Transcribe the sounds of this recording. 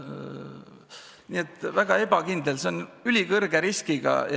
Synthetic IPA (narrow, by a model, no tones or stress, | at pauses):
nie̞t̪ːˑvæɡ̥ɑe̞b̥ɑkind̪elseonylʲikɤrɡ̥eɾiskiɡ̥ɑ̰j